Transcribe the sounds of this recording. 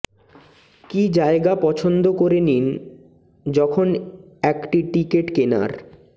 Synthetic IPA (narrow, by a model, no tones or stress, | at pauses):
kid͡ʑaeɡapɔt͡ɕʰond̪okoɾenin | d͡ʑɔkʰon | ɛkʈiʈikeʈkena̰ɾ